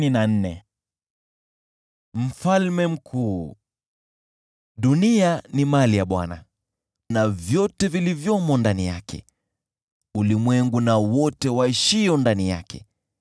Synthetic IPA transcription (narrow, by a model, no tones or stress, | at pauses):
ninan̩nɛ | m̩falmɛm̩kʰuː | ɗunianimalijaɓwa̰na̰ | navjɔtɛvilivjɔmɔndanija̰kʰɛ̰ | ulimwɛŋɡunawɔtɛwaiʃiɔndanija̰kɛ̰